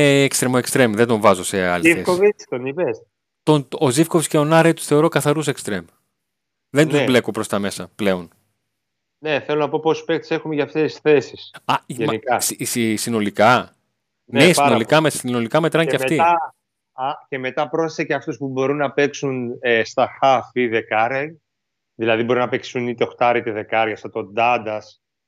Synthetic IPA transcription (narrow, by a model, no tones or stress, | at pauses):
kst̪ɾemoekst̪ɾemðe̞nd̪o̞ɱvɐzo̞se̞ɐ̰liiesovit̪onives | t̪onozifkovisceonɐɾet̪u̥θe̞oɾo̞kɐθɐɾus̬ekst̪ɾe̞m | ðe̞nd̪zble̞kopɾo̞st̪ɐme̞sɐple̞o̞n | neθelonɐpo̞pospek̚t̪i̥se̞xumeʝɐft̪esθe̞sisɐemnikɐsisisino̞likɐ | nnesino̞likɐmesino̞likɐmet̪ɾɐɲceɐfmft̪iɐ | ɐce̞me̞t̪ɐpɾo̞seseceɐft̪uspubo̞ɾunːɐpe̞ksunest̪ɐxɐfiðe̞kɐɾɐ | ðilɐðibo̞ɾunɐpeksunit̪eoxt̪ɐɾit̪eðe̞kɐɾʝɐsɐt̪o̞d̪ɐd̪ɐs